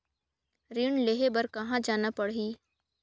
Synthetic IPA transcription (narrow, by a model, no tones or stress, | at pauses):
ɾiɳleɦebɐɾkɐɦãd͡ʒaːnapɐɽɦiː